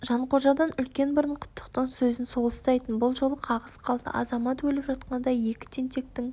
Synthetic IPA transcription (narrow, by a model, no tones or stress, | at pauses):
ʒɑɴqʰo̞ʒɑd̪ɑnʏlkʲe̞nbʊɾəɴqʰʊ̥t̪ʰːə̥qt̪əɴsɵzɪnso̞lˠəst̪ɑjt̪ənbʊlˠʒo̞lˠəqʰɑʁəzqʰɑlˠd̪ə̰ʔɑ̰zɑmɑt̪wɵlɪpʒɑt̪qɑnd̪ɑje̞kʲɪ̥t̪ʰent̪e̞k̚t̪ɪŋ